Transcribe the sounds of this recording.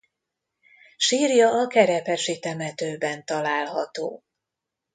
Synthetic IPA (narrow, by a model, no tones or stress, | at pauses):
ʃiːrjɒːkɛɾɛpɛʃit̪ɛmɛt̪øːbɛnt̪ɒlaːlɦɒt̪o̰ː